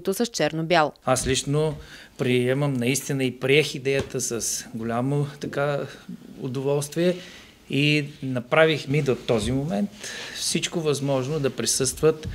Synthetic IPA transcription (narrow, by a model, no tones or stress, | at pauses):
t̪osəst͡ʃɛɾnobʲjalˠaslit͡ʃno | pɾiɛməmnɐist̪inəipɾiɛxid̪ɛjət̪əsɐsɡolʲamot̪ɐka | ʊ̰d̪ovɔlˠst̪viɛ | inɐpɾavixmid̪ot̪ɔzimomɛnt̪fsit͡ʃkovɐzmɔʒnod̪ɐpɾisɤst̪vət̪